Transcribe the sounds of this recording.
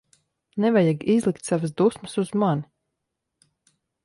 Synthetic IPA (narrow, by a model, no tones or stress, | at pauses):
nɛvajaɡizlˠikt̪savas̬d̪usməsuzmani